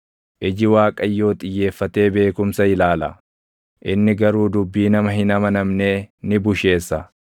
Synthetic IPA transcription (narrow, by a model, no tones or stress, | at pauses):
ʔɪd͡ʒɪwaːkʼɐjːo̞ːt̪ʼɪjːe̞ːfːɐt̪e̞ːbe̞ːkʊmsɐɪlaːlɐ̰ | ʔɪnːɪɡɐɾuːd̪ʊbːiːnɐmɐɦɪnɐmɐnɐmne̞ːnɪbʊʃe̞ːsːɐ